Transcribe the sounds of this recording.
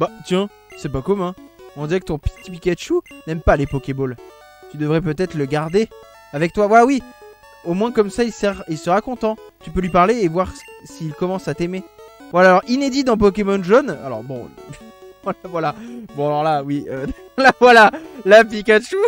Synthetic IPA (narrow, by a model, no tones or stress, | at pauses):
bat̪jɛ̃ | sɛpakɔmɛ̃ɔ̃d̪iʁɛkət̪ɔ̃pt̪ipikʲaʃunɛmpalepɔkʲebɔl | t̪yd̪əvʁɛpøt̪ɛt̪χləɡaʁd̪e | avɛk̚t̪wavwalawi | omwɛ̃kɔmsailsɛʁilsəʁakɔ̃t̪ɑ̃t̪ypølɥipaʁleːvwaʁsiːlkɔmɑ̃sat̪emevwalaːlɔʁined̪id̪ɑ̃p̬ɔkʲemɔnʒɔna̰lɔ̰ʁbɔ̃ | alavwalabɔ̃alɔʁlawiø | lavwalalap̬ikʲaʃu